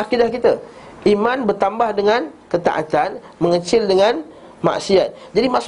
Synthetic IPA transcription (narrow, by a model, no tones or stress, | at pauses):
akidahkit̪a | ʔimanbərt̪ambahdəŋãnkət̪a̰ʔa̰t̪an | mə̃ŋət͡ʃɪldəŋãn | ma̰ʔsiat̪̚d͡ʒadimaʔs